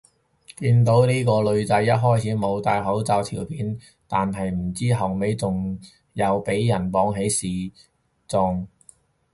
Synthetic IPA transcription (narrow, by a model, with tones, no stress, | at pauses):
kiː˧nt̪̬o˨˥wniː˥kɔː˧lɵ˨˧ɥt͡sɐ˨˥jːɐ˥t̚ɦɔː˥jt͡sʰiː˨˥mo˨˧wt̪aː˧jɦɐ˨˥wt͡sɐ˧wt̪ʰiː˨˩wpʰiː˨˥n | t̪aː˨nɦɐ˨jm̩˨˩t͡siː˥ɦɐ˨wme˨˧jt͡sʊ˨ŋ | jɐ˨˧wpe˨˥jːɐ˨˩npɔː˨˥ŋɦe˨˥jsiː˨˩ | t͡sʊ˨ŋ